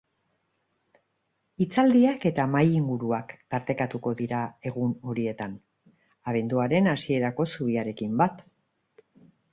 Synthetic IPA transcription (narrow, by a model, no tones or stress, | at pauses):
it͡sald̪iake̞t̪amajiŋɡuɾuakt̪aɾt̪e̞kat̪uko̞ðiɾae̞ɣ̞uno̞ɾie̞t̪an | aβ̞e̞nd̪uaɾe̞nasie̞ɾako̞suβiaɾe̞kimbat̪